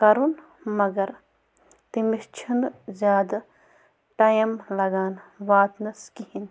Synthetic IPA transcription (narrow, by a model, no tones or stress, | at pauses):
kɐɾun | mɐɡɐɾ | t̪imist͡ʃʰinzʲjaːd̪ | ʈajɐmlɐɡaːnʋaːt̪nɐskihin